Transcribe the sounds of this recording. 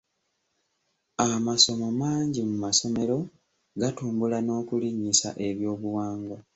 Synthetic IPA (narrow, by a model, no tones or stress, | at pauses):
amaso̞momaːɲɟimumaso̞me̞ɾo̞ | ɡatuːmbulano̞ːkuliɲːisa̰ʔe̞βjo̞ːβuwaːŋɡo